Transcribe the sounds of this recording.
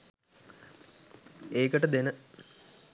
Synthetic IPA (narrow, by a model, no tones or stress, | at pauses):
eːkɐʈɐd̪enə